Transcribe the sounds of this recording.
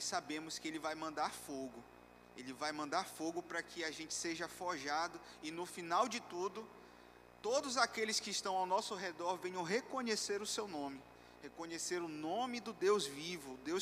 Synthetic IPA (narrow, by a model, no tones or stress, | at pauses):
sabẽmʊskɪelɪvajmɐ̃nd̪aɾfoɡʊ | elɪvajmɐ̃nd̪aɾfoɡʊpɾɐkʰɪaʒẽnt͡ʃɪ̥seʒɐfɔʒad̪ʊ | ɪnʊfinawd͡ʒɪt̪ud̪ʊ | t̪od̪ʊzakelɪskɪːʃt̪ɐ̃w̃awnɔsʊɦed̪ɔɾvẽɲɐ̃w̃ɦekõɲeseɾʊsewnõmɪ | hekõɲeseɾʊnõmɪd̪ʊd̪ewzvivʊd̪ews